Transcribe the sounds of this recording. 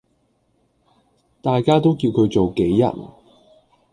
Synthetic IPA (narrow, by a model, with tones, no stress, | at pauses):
t̪aː˨jkaː˥t̪o˥wkiː˧wkʰɵ˨˧ɥt͡so˨wke˨˥jːɐ̰˨˩n